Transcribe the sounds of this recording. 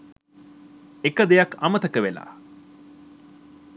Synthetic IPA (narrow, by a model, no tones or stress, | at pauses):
ekəd̪ejakɐmət̪əkəʋela̰ː